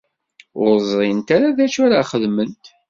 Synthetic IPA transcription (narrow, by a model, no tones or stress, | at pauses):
ʊɾzˤɾint̪aɾaðæt͡ʃːaɾaχəðmənt̪